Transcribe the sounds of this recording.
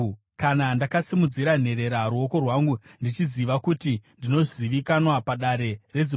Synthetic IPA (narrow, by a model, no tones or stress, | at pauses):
kanandakasimud͡ziɾan̤e̞ɾe̞ɾaɾuo̞ko̞rwaŋɡundit͡ʃiziʋakutindino̞ziʋikanwapaɗaɾe̞re̞d͡zi